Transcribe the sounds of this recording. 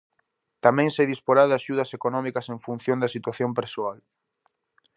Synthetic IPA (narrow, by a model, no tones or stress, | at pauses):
t̪amɛ̃ŋseðispoɾaðɪaʃuðɐsekonɔmikɐseɱfun̟θjond̪ɐsit̪waθjompeɾsoal